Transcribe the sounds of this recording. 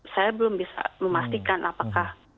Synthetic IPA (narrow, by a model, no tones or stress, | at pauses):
sajabəlʊmbisa̰məmast̪ikanʔapakah